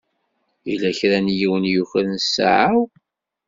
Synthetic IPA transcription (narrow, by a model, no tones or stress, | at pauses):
ilæçɾænjiwənjuçəɾnsːa̰ʕaw